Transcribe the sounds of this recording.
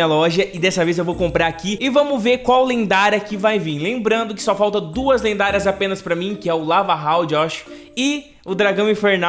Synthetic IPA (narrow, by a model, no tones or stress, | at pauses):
ɐlɔʒɐʔɪd̪ɛsɐvezewvowkõmpɾaɾakiɪvɐ̃mʊveɾkwawlẽd̪aɾɐkɪvajvĩɾlẽmbɾɐ̃nd̪ʊkɪ̥sɔfawt̪ɐ̃d̪uɐzlẽnd̪aɾɐzapẽnɐspɾɐmĩkɪɛʊlavaɦawd͡ʒɪɔʃʊ̥ | ɪ | ʊd̪ɾaɡɐ̃w̃ĩfeɾna